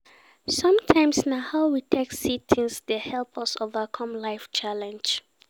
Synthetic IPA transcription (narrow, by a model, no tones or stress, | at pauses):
sɔ̃mtʰãɪ̃msnahaʊwitʰeksitʰĩnsdəhɛlpʰəsovəkʰɔ̃mlaɪft͡ʃʰalɛ̃nd͡ʒ